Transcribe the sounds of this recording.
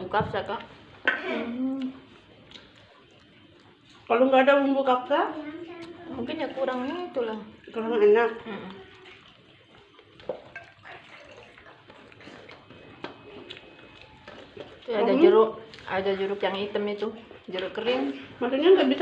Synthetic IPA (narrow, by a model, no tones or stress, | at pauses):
ukafsaka | m̩h | paluŋɡaːdaumbukakaʔ | muŋkɪnjakuɾaŋenakit̪ulahkəɾaŋenakm̩ʔ | t̪uadad͡ʒuɾʊkadad͡ʒuɾʊkjaŋit̪əmit̪ud͡ʒuɾʊkəɾɪŋmant̪uɲaŋɡabis